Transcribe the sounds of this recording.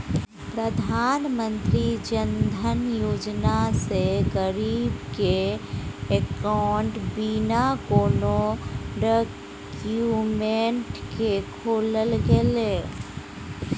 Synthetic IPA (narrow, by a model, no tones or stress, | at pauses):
pɾəd̪ʱaːnmə̃nt̪ɾid͡ʒənd̪ʱənjoːd͡ʒnaseɡəɾiːbke | ekaʊɳʈbinakoːnoɖək | jumeɳʈkekʰoːləlɡele